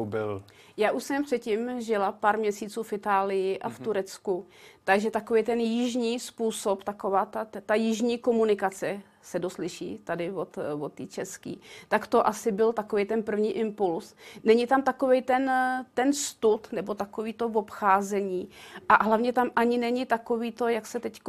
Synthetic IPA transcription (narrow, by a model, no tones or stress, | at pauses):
bɪl | jaːʔuʃsɛmpr̥ɛt̪cimʒɪlapaːɾmɲɛsiːt͡suːfɪt̪aːlɪjɪʔaft̪uɾɛt͡skut̪aɡʒɛt̪akovijt̪ɛnjɪʒɲiːspuːsopt̪akovaːt̪at̪ajɪʒɲiːko̞munɪkat͡sɛ | sɛdoslɪʃḭːt̪adɪvot̪vot̪ːiːt͡ʃɛskḭːt̪akt̪o̞ʔasɪbɪlt̪ako̞vejt̪ɛnpr̩vɲiːʔɪmpulsnɛɲɪt̪amt̪ako̞vɛjt̪ɛnt̪ɛnst̪ut̪nɛbo̞t̪akoviːt̪o̞vo̞pxaːzɛɲiːʔaɦlavɲɛt̪amʔaɲɪnɛɲɪt̪ako̞viːt̪o̞jaksɛt̪ɛck